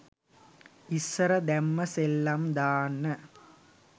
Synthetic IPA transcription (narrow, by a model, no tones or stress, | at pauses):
isːɐɾɐd̪ɛmːɐsɛlːɐmd̪aːnɐ